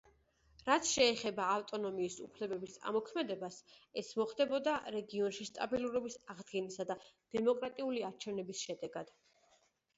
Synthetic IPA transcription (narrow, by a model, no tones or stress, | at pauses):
ɾat̪sʰʃɛːχɛbaːft̪ʼɔnɔmiːsṵpʰlɛbɛbisa̰mɔkʰmɛd̪ɛbasɛsmɔχd̪ɛbɔd̪aɾɛɡiɔnʃist̪ʼabilˠuɾɔbisaʁd̪ɡɛnisad̪ad̪̥ɛmɔkʼɾat̪ʼiuliaɾt͡ʃʰɛvnɛbisʃɛd̪ɛɡad̪̥